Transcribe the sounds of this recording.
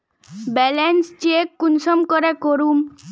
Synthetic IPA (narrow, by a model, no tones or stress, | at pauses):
bɛlenst͡ʃiekːunsɔmkɔɾekoɾum